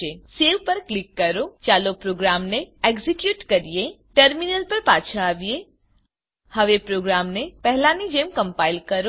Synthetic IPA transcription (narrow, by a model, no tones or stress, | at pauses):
eseʋpəɾklikːəɾot͡ʃalopɾoɡɾamneeɡzikjuːʈkəɾijeʈəɾminəlpəɾpaːt͡ʃʰaːʋije | həʋepɾoːɡɾamnepɛɦlanid͡ʒemkə̃mpailkəɾo